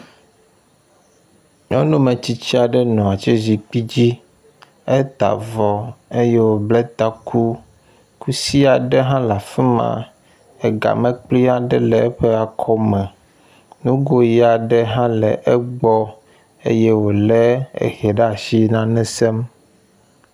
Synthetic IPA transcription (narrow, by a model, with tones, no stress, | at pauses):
ɲɔ̃˦nũ˦mɛ̃˨t͡ɕi˦t͡ɕi˦a˨ɖɛ˦nɔ̃˨a˨t͡ʃɛ˦zi˨k͡pi˦d͡ʑi˦ | e˦t̪a̰˨vɔ˨e˦je˦wo˨blɛ˦t̪a˦kʰu˦ | ku˦si˦a˨ɖɛ˦ɦã˦la˨fi˦mã̰˨ | ɛ˨ɡa̰˨mɛ̃˦k͡pli˦a˨ɖɛ˦lɛ˨ɛ˦ɸɛ˦a˨kʰɔ˦mɛ̃˨ | nũ˦ɡo˦ji˦a˨ɖɛ˦ɦã˦lɛ˨ʔɛ˦ɡ͡bɔ˦ | ḛ˦je˦wo˨lɛ˦ḛ˦xɛ˨ɖa˨ʃi˦nã˦nɛ̃˦sɛ˦m